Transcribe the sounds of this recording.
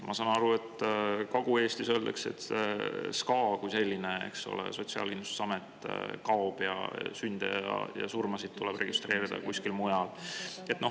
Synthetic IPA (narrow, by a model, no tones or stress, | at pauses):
mʔɑsɑːnɑɾue̞t̪ːkɑɡ̥ue̞ːst̪isøld̪ekse̞̰t̪ | skɑːkujse̞lʲːineḛkso̞̰lḛso̞t̪siɑ̰lkinu̥sɑmet̪ːˑkɑob̥jɑ̰synd̪̥ḛjɑ̰jɑ̰surmɑsid̥̪̚t̪ulɛb̥re̞ɡ̥ist̪re̞ːɾid̪̥ɑ̰kusʲkilmujɑlet̪ːˑno̞